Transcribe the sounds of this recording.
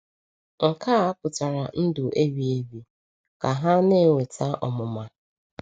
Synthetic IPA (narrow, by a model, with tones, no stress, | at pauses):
ŋ̩˨kaː˦a˦pʊ˨ta˨ɾa˨n̩˦dʊ˨ʔe˦bi˨e˦bi˨ | ka˨ɦa˦ne˦˨wʷe˨tʰa˦ʔɔ˨mʊ˨ma˨